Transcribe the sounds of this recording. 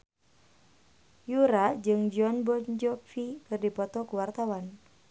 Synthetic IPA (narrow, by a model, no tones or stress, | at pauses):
juɾad͡ʒɨŋd͡ʒɔnbɔnd͡ʒɔfikɨrdipɔt̪ɔkuwart̪awan